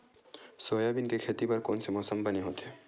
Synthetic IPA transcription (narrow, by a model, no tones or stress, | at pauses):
soːjabɪnkekʰeːt̪ipɐɾkɔːnsemɔːsəmbɐneɦoːt̪ɦɛː